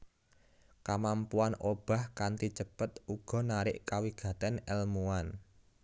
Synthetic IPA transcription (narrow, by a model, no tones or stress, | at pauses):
kamampuanob̥a̤hkant̪it͡ʃəpət̪uɡ̥ɔ̤naɾɪʔkawiɡ̥ä̤t̪ɛnɛlmuan